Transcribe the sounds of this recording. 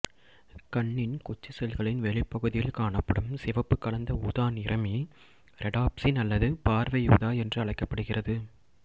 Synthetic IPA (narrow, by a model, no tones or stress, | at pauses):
kɐɳːɪnkʊt͡ʃːɯsɛlɣɐɭɪnʋɛɭɪpːɐɣɯðɪjɪlkaːɳɐpːɐɽɯmsɪʋɐpːɯkːɐɭɐnd̪ɐuːðaːnɪrʔɐmi | ɾʔɛɽaːpsɪnɐlːɐðɯpaːɾʋɐjuːðaːɛndrɯɐɭɐɪkːɐpːɐɽɯɣɪrɐðɯ